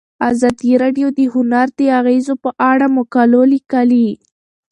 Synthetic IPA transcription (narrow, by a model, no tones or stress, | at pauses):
azɑd̪iɾɑɖjod̪əhʊnaɾd̪əaɣezopəʔaɽamʊkalolikali